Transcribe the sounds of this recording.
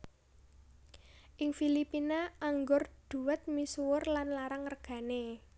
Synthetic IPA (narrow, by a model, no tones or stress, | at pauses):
ʔɪŋfilipinaaŋɡʊrd̪̥ṳwɛt̪̚misuwʊrlanlaɾaŋːərɡ̥ä̤ne